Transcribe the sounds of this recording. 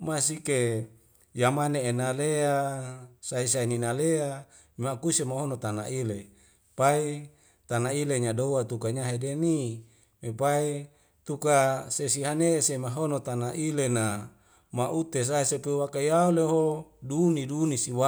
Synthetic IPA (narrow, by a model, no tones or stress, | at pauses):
masike | jamaneːnaleasais̬aininalea | makusemaɦonot̪ana̰ʔile | pai | t̪anaileɲadowat̪ukaɲaɦedeni | mepai | t̪ukasesiɦanesemaɦonot̪anaʔilena | maʔut̪es̬aisepewakajauleɦodunidunisiwa